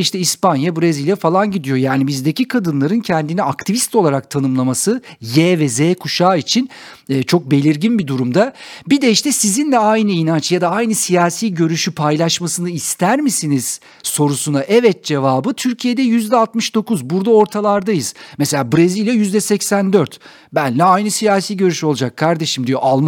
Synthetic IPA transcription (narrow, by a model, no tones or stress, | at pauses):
iʃt̪ʰɛispanjabɯɾezilʲjafalˠanɟid̪ijo̞jaːnibizd̪e̞cikʰad̪ɯnlˠaɾɯncʰɛnd̪iniakt̪ʰivist̪o̞lˠaɾak̚t̪ʰanɯmlˠamasɯjɛːvɛzɛːkʰuʃaːit͡ʃʰinːt͡ʃʰo̞k̚be̞lʲiɾɟinbid̪uɾumd̪abid̪ɛiʃt̪ɛsizind̪ɛajnɯinant͡ʃjad̪aajnɯsijaːsiːɟø̞ɾyʃypʰajlˠaʃmasɯnɯist̪ʰæɾmisiniz̥ | so̞ɾusunaʔɛvɛt̪̚d͡ʒe̞vaːbɯt̪ʰyɾcʰije̞d̪ɛjyzd̪ɛalˠt̪mɯʃd̪o̞kuzbuɾd̪ao̞ɾt̪ʰalˠaɾd̪ajɯz̥mese̞lʲaːbɾezilʲjajyzd̪ɛsɛcsænd̪øɾt̪ | bænlʲɛajnɯsijaːsiːɟø̞ɾyʃyo̞lˠud͡ʒakʰːaɾd̪e̞ʃimd̪ijo̞̰ʔalˠm